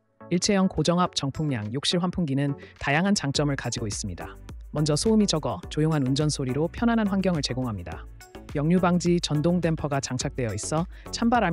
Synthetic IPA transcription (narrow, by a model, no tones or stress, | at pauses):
iɭt͡ɕʰe̞jʌŋkod͡ʑʌŋɦap̚t͡ɕʌŋpʰuŋɲa̰ŋjok̚ɕ͈iɭɸwanpʰuŋɡinɯntajaŋɦant͡ɕaŋt͡ɕ͈ʌmɯɭkad͡ʑiɡois͈ɯmɲida̰mʌnd͡ʑʌsʰoumid͡ʑʌɡʌt͡ɕojoŋɦanund͡ʑʌnsʰoɾiɾopʰjʌnanɦanɸwanɡjʌŋɯɭt͡ɕe̞ɡoŋɦamɲida̰ | jʌŋɲubaŋd͡ʑit͡ɕʌndoŋde̞mpʰʌɡat͡ɕaŋt͡ɕʰak̚t͈we̞jʌis͈ʌ | t͡ɕʰambaɾa